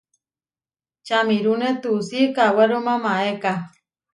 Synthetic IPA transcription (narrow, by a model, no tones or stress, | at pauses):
t͡ʃamiɾunet̪usikawaɾomamaeka